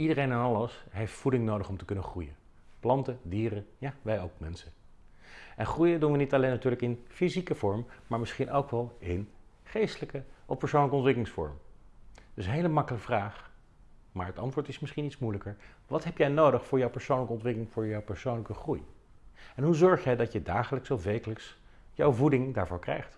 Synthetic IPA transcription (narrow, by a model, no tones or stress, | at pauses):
idərejnɛnɑləsɦejftfudɪŋnowdəχɔmtəkɵnəχrujə | plɑntədiːrəjaːʋɛjowkmɛnsə | ʔɛnχrujədunʋənitɑlejnːatyːɹləkɪnfizikəv̥ɔɹmːaːɹmɪsχinʔowkʋɛlˠɪnχejstələkəɔfpəɹsoʊwnləkəɔntʋɪkəlɪŋsfɔ̰ɹm | d̥ɵsɦejləmɑkələkəvraːχ | maːɹɦətɑntʋʊːɹtɪsmɪsχinitsmujləkəɹ | ʋɑtɦɛpjɛjnowdəχfʊːɹjɔwpəɹsownləkəɔntʋɪklɪŋfʊːɹjɔwpəɹsownləkəχruj | ɛnɦuzɔɹχjɛjdɑtjədaːχələksowʋejkələks | jɔwvudɪŋdaːɹvʊːɹkrɛ̰jχt